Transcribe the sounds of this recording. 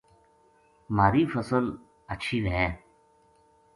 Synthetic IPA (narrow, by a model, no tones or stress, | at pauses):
maːɾiːfəsəl | ətːʃʰiːɾɦɛ̃ː